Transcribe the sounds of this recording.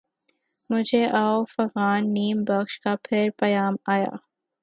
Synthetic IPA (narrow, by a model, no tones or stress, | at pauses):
mʊd͡ʒʱeʔaːofɐɣaːnːiːmbɐkʃkapʰɪɾpɐjaːmaːja̰ː